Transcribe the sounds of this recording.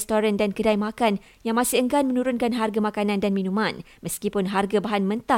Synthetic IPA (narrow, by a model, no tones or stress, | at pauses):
st̪oɾandankədajmakan | jaŋmasɪəŋɡanmə̃nũɾʊnkanɦarɡamãkanãndanmĩnũmãn | məskipʊnɦarɡabaɦanmə̃nt̪a